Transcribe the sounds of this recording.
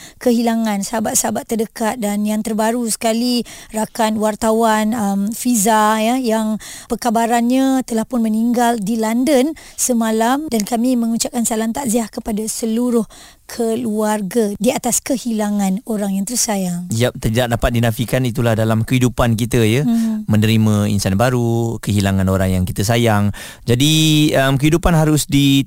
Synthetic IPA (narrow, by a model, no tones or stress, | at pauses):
kəɦilaŋãnsəabaʔ̪̚sabat̪ːərdəkat̪̚danjaŋt̪ərbaɾusə̥kalirakanwart̪awanəmfizajajaŋpəkabaɾanɲãt̪əlahpʊnməniŋɡaldilandənsəmalamdankamĩmə̃ŋut͡ʃap̚kansalant̪aʔziahkəpadasəluɾʊh | kʰəluarɡadiat̪askəhilaŋãnoɾaŋjaŋt̪əɾsajaŋd͡ʒiap̚t̪ədaʔ̚dapat̪̚dinafikanit̪̬ulahdalamkəɦidupankit̪əjəmənəɾimə̃ḭnsanbaɾukəɦilaŋãnoɾaŋjaŋkit̪əsajaŋ | d͡ʒadiəmkəɦidupanɦaɾʊsdi